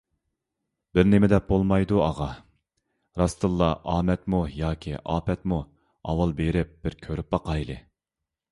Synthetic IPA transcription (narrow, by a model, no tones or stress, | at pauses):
b̥ɪɾnɪmɪd̪ɛp̚bolˠmɑjd̪uɑʁɑ | ɾɑst̪ɨlˠːɑʔɑːmɛt̪mujɑːkʲʰiʔɑːpɛt̪mu | ɑ̰wɑlˠbeɾɪp̚b̥ɪɾkʲʰøɾyp̚bɑqɑjlˠɨ